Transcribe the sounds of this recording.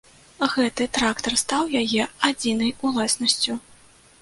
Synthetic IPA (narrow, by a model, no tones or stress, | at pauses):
ɣɛt̪ɨt̪ɾakt̪ɐrst̪awjajɛad͡zʲinɐjulˠasnɐsʲt͡sʲu